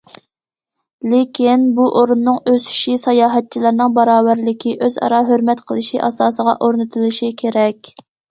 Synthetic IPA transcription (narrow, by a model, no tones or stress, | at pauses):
lɪkʲʰinbuʔoɾunːɨŋøsy̥ʃisɑjɑːɦɛt̪̚t͡ʃʰilˠɨɾnɨŋbɑɾɑːvæɾlɪkʲʰiʔøzɑ̰ɾɑɦøɾmɛt̪qʰəlˠɨʃiʔɑ̰sɑːsəʁɑ̰ʔoɾnɨt̪ʰɨlˠɨʃikʲʰeɾɛkʲ